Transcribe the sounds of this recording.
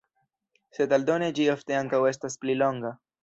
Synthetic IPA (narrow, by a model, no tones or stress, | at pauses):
se̞daldo̞ne̞d͡ʒiofte̞aŋkawe̞s̬tasplilo̞ŋɡa